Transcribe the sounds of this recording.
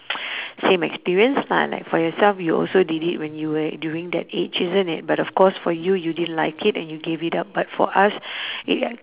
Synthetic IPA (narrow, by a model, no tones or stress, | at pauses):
sẽmɛ̰kspiɹiə̃nsna̰la̰ɪkfɔjɔsɛlfjuɔ̰lsodidit̚wɛ̃njuwədjuĩŋd̪ɛ̰tet͡ʃizə̃nit̚batɔfkɔsfɔjujudidə̃nlaɪkʰitɛ̃njuɡevitap̚batfɔ̰ʔasit̚